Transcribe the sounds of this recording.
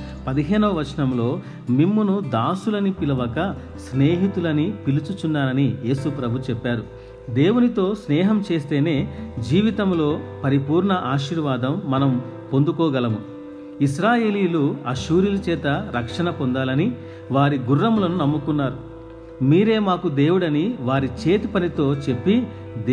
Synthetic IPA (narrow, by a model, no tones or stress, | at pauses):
pɐd̪iɦeːnɐʋɐʋɐɾʂnɐmlo̞ː | mimːunud̪aːsulɐnipilɐʋɐkɐ | sneːɦit̪ulɐnipilut͡ʃut͡ʃunːaːɾɐnije̞ːsupɾɐbʱut͡ʃɛpːaːɾu | d̪e̞ːwunit̪o̞ːsnɛːɦɐmt͡ʃe̞ːst̪e̞ːne̞ːd͡ʒiːʋit̪ɐmlo̞ːpɐɾipuːɾɳɐʔaːʃiːɾʋaːd̪ɐmːɐnɐm | po̞nd̪ukɔːɡɐlɐmu | isɾaːjeːliːluɐʃuːɾilɐt͡ʃɛːt̪ɐɾɐkʂɐnɐpond̪aːlɐni | ʋaːɾiɡurːɐmlɐnunɐmːukunːaːɾu | miːɾe̞ːmaːkud̪e̞ːwuɽɐniʋaːɾit͡ʃeːt̪ipɐnit̪o̞ːt͡ʃe̞pːi | d̪